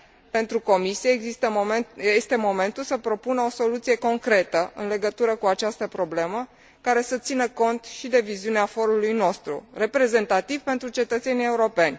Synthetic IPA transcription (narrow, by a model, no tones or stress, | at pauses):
pe̞nt̪ɾuko̞misijeit̪əest̪e̞mo̞me̞nt̪ulsəpɾo̞punəo̞so̞lut̪sije̞ko̞ŋkɾe̞t̪əɨ̰nle̞ɡət̪uɾəkuat͡ʃast̪əpɾo̞ble̞mə | kaɾe̞sət̪sinəko̞nt̪ʃid̪e̞viziuneafo̞ɾulujno̞st̪ɾṵre̞pɾe̞ze̞nt̪at̪iv̥pe̞nt̪ɾut͡ʃe̞t̪ət̪se̞nije̞uɾo̞pe̞nʲ